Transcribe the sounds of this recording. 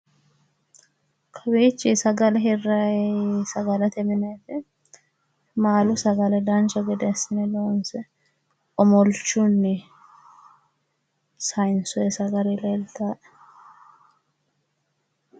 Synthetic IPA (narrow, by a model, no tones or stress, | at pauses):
kʰɐbeːt͡ʃːisɐɡɐlɛɦɛrːɐsɐɡɐlɐt̪ɛmɪneːt̪ɛ | maːlʊsɐɡɐlɛd̪ant͡ʃɐɡɛd̪ɛsɪnɛd̪oːnsɛ | ɔmɔlt͡ʃːunːɪ | sɐjnsɔɛsɐɡɐɾɛleːlt̪aːʔ